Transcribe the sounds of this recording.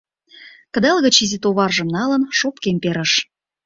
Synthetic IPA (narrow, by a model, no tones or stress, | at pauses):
kə̆d̪ɑlɣə̆t͡ɕizʲit̪oβɑrʒə̆mnɑlə̆nʃopkemʲpeɾə̆ʃ